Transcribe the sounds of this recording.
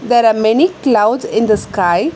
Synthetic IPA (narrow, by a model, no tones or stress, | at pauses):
d̪ɛːɾaːmɛniklaʊɖsɪ̃nd̪əskaɪ